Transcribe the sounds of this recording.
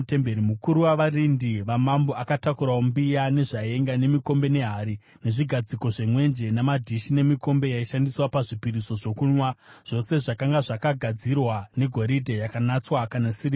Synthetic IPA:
tembeɾimukuɾuwaʋarindiʋamamboakatakuɾaombijane̞ʐae̞ŋɡane̞miko̞mbe̞ne̞ɦaɾi | ne̞ʐiɡʱad͡ziko̞ʐemwe̞nd͡ʒe̞namadʱiʃine̞miko̞mbe̞jaiʃandiswapaʐipiɾiso̞ʐo̞kuɲwaʐ̥o̞se̞ʐakaŋɡaʐakaɡʱad͡zirwane̞ɡʱo̞ɾidʱejakanat͡swakanasiri

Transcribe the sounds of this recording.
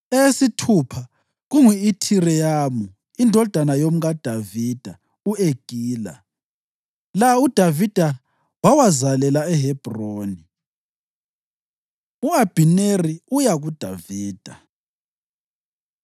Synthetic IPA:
eesitʰupʰa | ɣuŋiitʰirɛjaːmu | indʱɔd̥ʱanajom̩ɣad̥ʱaviːd̥ʱa | ueɡ̥ʱiːla̰ | laud̥ʱavid̥ʱa | wawazalɛlaɛɦɛb̥ʱroːni | uab̥ʱineriujaɣud̥ʱa̰viːd̥ʱa

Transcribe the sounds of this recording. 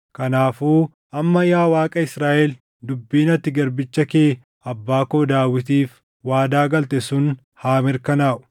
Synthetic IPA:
kɐnaːfuː | ʔɐmːɐjaːwaːkʼɐɪsɾaːʔɛl | d̪ʊbːiːnɐt̪ːɪɡɐɾbɪt͡ʃːɐkeː | ɐbːaːkoːd̪aːwɪt̪iːf | waːd̪aːɡɐlt̪ɛsʊn | haːmɪɾkɐnaːʔʊ̥

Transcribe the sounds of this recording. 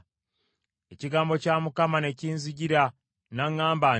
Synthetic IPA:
e̞ciɡaːmbo̞caːmukamane̞ciːnziɟiɾa | naŋːaːmba

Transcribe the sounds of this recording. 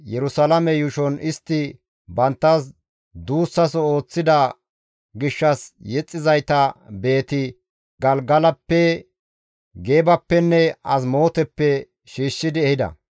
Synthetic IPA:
jɛɾʊsɐlɐmɛjʊʃɔnɪst̪ːɪ | bɐnt̪ːɐs | d̪uːsːɐsɔo̞ːt͡sːɪd̪ɐ | ɡɪʃːɐsjɛt͡sʼːɪzɐjt̪ɐbe̞ːt̪ɪ | ɡɐlɡɐlɐpːɛ | ɡe̞ːbɐpːɛnːɛɐs̬mo̞ːt̪ɛpːɛ | ʃiːʃːɪd̪ɪɛhɪd̪ɐ̰

